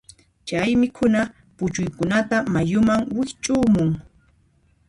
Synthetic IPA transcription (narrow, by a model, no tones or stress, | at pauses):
t͡ʃajmɪkʰʊna | pʊt͡ʃʊjkʊnat̪amajʊmaŋwɪht͡ʃʼʊːmʊŋ